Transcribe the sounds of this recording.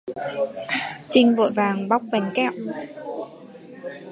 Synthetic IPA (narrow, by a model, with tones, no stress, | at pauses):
t͡ɕï˧ŋ̟vo̰˧˨jvaː˨˩ŋɓa˦˥wk͡p̚va˨˩jŋ̟kɛ̰˧˨w